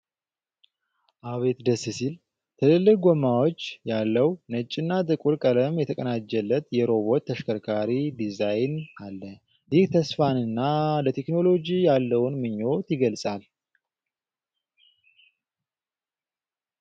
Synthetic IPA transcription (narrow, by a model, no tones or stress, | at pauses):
ʔaβe̞t̪d̪əsːɨsil | t̪ʰɨlɨlːɨɡomːawo̞t͡ʃːjalːəwnət͡ʃʼːɪnːat̪ʼɨkʼuɾkʼələmjɛt̪ʰəkʼənad͡ʒːɛlːət̪jɛɾo̞βo̞t̪ʰːəʃkʰəɾkʰaɾid̪izajnalːə | jiht̪ʰəsfanɨnːalət̪ʰe̞kno̞lo̞d͡ʒijalːəwunmɨɲːo̞t̪jɪɡəlsʼal